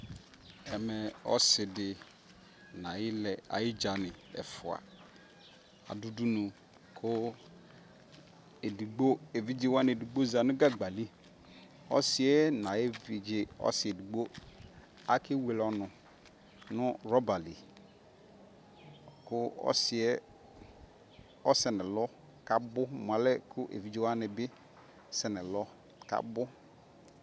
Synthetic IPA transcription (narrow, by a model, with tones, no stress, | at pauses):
ɛ˨mɛ˨ɔ̰˦sɪ˨dɪ˨ | na˨jɪ˦lɛ˨a̰˨jɪ˦d͡ʒa˨nɪ˨ɛ̰˨fʊ˨a̰˨ | a̰˨du˦du˦nu˨ | kʰʊ˦ | e˨di˨ɡ͡bo˦e˨vi˦d͡ʒe˨wa˦n˦e˨di˨ɡ͡bo˦za˨nʊ˦ɡa˦ɡ͡ba˨li˦ | ɔ̰˦sɪ˨e˦na˨e˦vi˨d͡ʒe˨ɔ̰˦sɪ˨e˨du˨ɡ͡bo˦ | a˨kɪ˦we˨lɔ˨nʊ˨ | nʊ˦ɾɔ˦ba˨li˨ | kʊ˦ɔ̰˦sɪ˨ɛ˦ | ɔ˦sɛ˨nɪ˨lɔ˦ | ka˨bʊ˦m˨a˨lɛ˦kʰʊ˦ʔḛ˨vi˨˦d͡ʒe˦wa˦nɪ˨bɪ˦ | sɛ˨nɪ˨lɔ˦ | ka̰˨bʊ˦